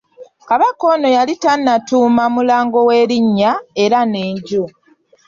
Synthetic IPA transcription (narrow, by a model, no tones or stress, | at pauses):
kaβako̞no̞jalitanːatuːmamulaːŋɡo̞weːɾiɲːaeɾaneːɲɟu